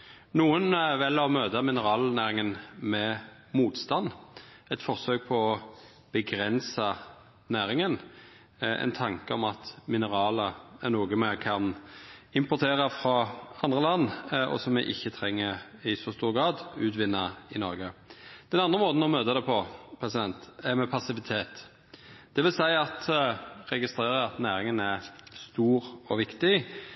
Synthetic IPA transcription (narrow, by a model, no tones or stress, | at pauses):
nuːənʋɛlːɑʋmøːt̪əmɪnəʁɑːlnæːɾɪŋənmɛ | muːt̪st̪ɑnːɛt̪fɔʁsøːk̚pʰɔɔ | b̥əɡɾɛnsɑ | næːɾɪŋən | ɛ̰nt̪ʰɑŋkəɔmɑt̪mɪnəʁɑːləænuːɡəmɛkʰɑnɪmpɔʁt̪ʰeːʁɑfɾɑɑnd̪ʁəlɑnːɔ̰sɔmːɛʔɪçːət̪ʰɾɛŋːəɾɪsɔst̪uːɾɡɾɑːd̪ʉːt̪ʋɪnːɑɪnɔɾɡəd̪̥ɛnɑnd̪ʁəmoːt̪n̩ɔmøːt̪əd̪ɛpʰɔpʰɾɛsɪd̪ɛnt̪æmɛpʰɑsɪʋɪt̪ʰeːt̪ | d̪̥ɛʋɪlsæɪɑt̪ɾɛɡɪst̪ɾeːɾəɾɑt̪næːɾɪŋənæʁst̪uːɾɔʋɪkt̪ɪ